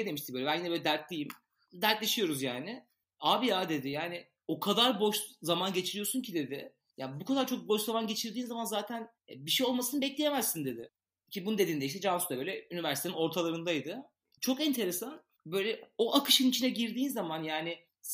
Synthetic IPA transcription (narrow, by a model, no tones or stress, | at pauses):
d̪e̞miʃt̪ʰiøjlʲɛænjinɛbøːlɛd̪æɾt̪lʲejim | d̪æɾt̪lʲeʃijo̞ɾuzjaːnɪ | aːbiaːd̪e̞d̪ɪjaːnɪ | o̞kʰad̪aɾbo̞ʃzamanɟe̞t͡ʃʰiɾijo̞suncʰid̪e̞d̪ɪ̰ | jabukʰad̪aɾt͡ʃʰo̞k̚bo̞ʃzamanɟe̞t͡ʃʰiɾd̪iːnzamanzaːt̪ʰæn | biʃejo̞lˠmasɯnɯbɛclʲejemæzːind̪e̞d̪ɪ̰ | cʰibununed̪iːnd̪eiʃt̪ʰɛd͡ʒansut̪abøjlʲɛynivæɾsi̥t̪enino̞ɾt̪ʰalˠaɾɯnd̪ajd̪ɯ | t͡ʃʰo̞kɛnt̪ʰe̞ɾesan | bø̞jlʲɛo̞ʔakɯ̥ʃɯnit͡ʃʰinɛɟiɾd̪iːnzamanjaːnɪ